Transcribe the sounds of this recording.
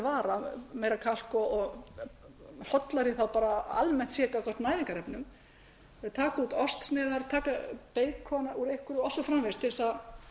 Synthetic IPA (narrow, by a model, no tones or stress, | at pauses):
vaːɾameːjɾakʰal̥kɔɔɣ | hɔt̪laɾɪθawpaːɾaa̰lmɛn̥t̪sjɛːkakʰɔr̥t̪naːjɾiŋkaɾɛpnʏm | t̪ʰaːkauːt̪ɔst̪snɪːðaɾt̪ʰaːkapeːjkʰɔnauɾejhkʏɾʏɔsʏfɾamveɾst̪ʰɪlɪsa